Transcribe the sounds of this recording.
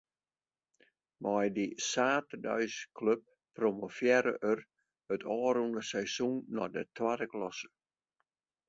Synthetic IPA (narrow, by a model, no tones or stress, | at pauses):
mɔjdisaːtədœ̰ɥskʰløp̚ː | romofjɛɾə̰ʔər | ətʰɔːɾundəsɛjsunːɔdətʰwadəklɔsə̥